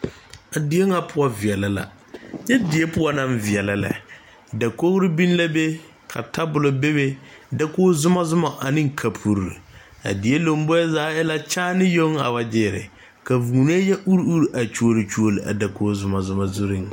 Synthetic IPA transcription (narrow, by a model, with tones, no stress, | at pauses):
a˨di˨e˦ŋa˨pʰʊ˨˦ɔ˦vɪ˨ɛ˨la˨la̰˨ | jɛ˦di˨e˦pʊ˦a˦nã˦mvɪ˨ɛ˨la˨la̰˨ | da˨ko˦hɾɪ˦bĩ˦n˦la˦be˦ | kʰa̰˨tʰa˦bʊ˨lo˨be˦be˦ | da˦koː˦zʊ˦ma˦zʊ˦ma˨ʔa˨nɪ̃˦ŋ˦kʰa˨pʰu˨ɾɾḭ˨ | a̰˨di˨e˦lo˨m˦bɔ˦ɛ˦zaː˨˦ɛ˦la˦t͡ʃaː˦nɪ˦jo˦ŋa̰˨ba˨d͡ʒɪː˦˨ɾɪ̰˨ | ka˨vu˨ni˦e˦jɛ˦ʔu˦ɾu˦ɾʔa˨t͡ʃu˦o˦˨ɾi˨t͡ʃu˦o˨li˨a̰˨da˨kʰoː˦zʊ˦ma˨zʊ˦ma˨zu˦ɾɪ̃˦ŋ